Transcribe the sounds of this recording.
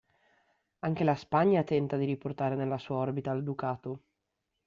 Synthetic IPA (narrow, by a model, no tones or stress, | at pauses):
aŋkelaspaɲːat̪ɛnt̪ad̪iɾiport̪aːɾenelːasuːaɔrbit̪aːld̪ukaːt̪o